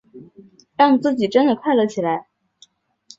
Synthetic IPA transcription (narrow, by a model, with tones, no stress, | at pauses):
ɻɑ˥˩ŋt͡sɹ̩˥˩t͡ɕi˨˩ʈ͡ʂə˥nd̪ə˨kʰwa˥˩ɪlə˧˥˩t͡ɕʰi˨˩la˧˥ɪ